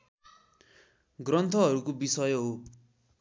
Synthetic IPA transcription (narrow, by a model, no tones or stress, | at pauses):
ɡrʌnt̪ʰʌɦʌɾukobisʌjɦo